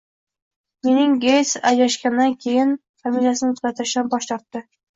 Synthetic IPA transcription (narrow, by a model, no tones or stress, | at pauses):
me̞nɪŋɡejt̪sajlaʃkʲand̪ankʲʰe̞jɪn | familjasɪnɪʊt̪kʲat̪ʰɪɾɪʃɪd̪anbɒʃt̪ɒɾt̪ːɪ